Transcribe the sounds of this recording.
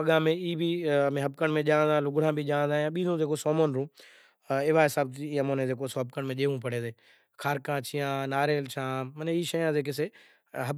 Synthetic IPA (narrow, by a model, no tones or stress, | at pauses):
pəɠãːmẽiːbʱimẽɦəb̚kəɳmẽːʄãːnd̪ãːlʊɡɽ̤ãːbʱiʄãːnd̪aːjãɓiːzũːzeːk̬osɔːmoːnɾũː | ɪʋaːɦɪsaːb̚t̪iəmoːnẽzeːkosoːb̚kəɽmẽːʄeːʋũːpəɽ̤eːzeː | kʰaːɾkãːt͡ʃʰijãːnaːɾeːlt͡ʃʰãːmənẽiːʃəjãːzeːk̬ese | ɦəb